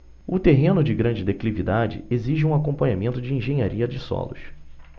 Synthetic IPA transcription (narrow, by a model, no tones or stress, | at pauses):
ʊt̪eɦẽnʊd͡ʒɪɡɾɐ̃d͡ʒɪd̪eklivid̪ad͡ʒɪ̰eziʒɪũakõpɐ̃ɲamẽnt̪ʊd͡ʒɪĩʒẽjɲaɾiɐd͡ʒɪsɔ̰lʊ̰ʃ